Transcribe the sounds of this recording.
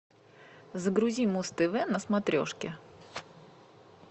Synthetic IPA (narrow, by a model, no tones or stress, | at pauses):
zəɡɾʊzʲimust̪ɨvɛnəsmɐt̪ɾʲo̰ʂkʲɪ